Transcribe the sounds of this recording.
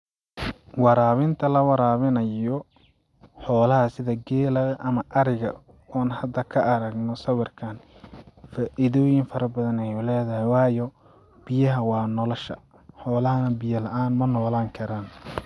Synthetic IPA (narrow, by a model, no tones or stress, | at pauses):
wɑɾaːβɪnt̪ʰɐlɐwɑɾaːβɪnɐjɔ | ħɔːlɐɦɐsɪðɐɡɛːlɐɣɐʔɐmɐʔɐɾɪɣɐ̰ | aːnhɐd̪ɐkʰɐʔɐɾɐɡnɔsɐwɐrkʰaːn | faːʔɪðɔːjɪŋfɐɾɐbɐðɐnɛjʊlɛːðɐhɪwɑːjɔ | b̥ɪjɐɦɐwɑːnɔlɔʃɐ̰ | ħɔːlɐɦɐnɐbɪjɐlɐʔaːnmɐnɔːlaːŋkʰɐɾaːn